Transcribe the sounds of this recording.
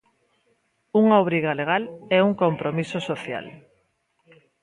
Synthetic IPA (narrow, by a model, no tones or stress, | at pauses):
uŋaoβ̞ɾiɣaleɣalɛuŋkompɾomisosoθja̰l